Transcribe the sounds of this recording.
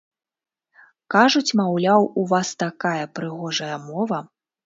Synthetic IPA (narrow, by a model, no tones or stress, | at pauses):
kaʐut͡sʲmawlʲawuvast̪akajɐpɾɨɣɔʐɐjɐmɔvɐ